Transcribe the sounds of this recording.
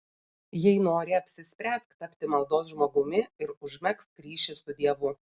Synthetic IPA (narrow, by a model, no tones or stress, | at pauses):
jɛɪnoːɾʲɪɐpʲsʲɪsʲpʲɾʲæːsʲkt̪ɐpʲt̪ʲɪmɐlˠd̪oːs̬ʒmoːɡʊmʲɪɪɾʊʒʲmʲɛkst̪kɾʲiːʃʲɪsʊd̪ʲiɛʋʊ